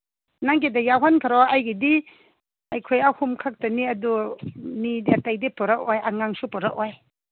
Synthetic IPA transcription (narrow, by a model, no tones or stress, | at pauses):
naŋɡedajawɦankʰaɾɔwajɡidi | ajkʰojahumkʰak̚taniɐdumidiatajdipɔɾak̚ɔjʔaŋaŋsupɔɾak̚ɔj